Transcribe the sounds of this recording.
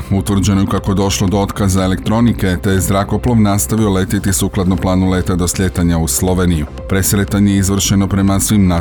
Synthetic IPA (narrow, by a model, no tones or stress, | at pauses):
ut̪ʋr̩d͡ʑe̞nojukako̞je̞d̪o̞ʃlˠo̞d̪oo̞t̪kazae̞le̞k̚t̪ɾo̞nike̞t̪ejezɾako̞plˠo̞ʋnast̪aʋio̞le̞t̪it̪isuːklˠad̪no̞mplˠaːnule̞ːt̪ad̪o̞sʎʲe̞t̪aɲauslˠo̞ʋeniju | pɾe̞sɾet̪aɲejeizʋr̩ʃe̞no̞pɾe̞masʋimna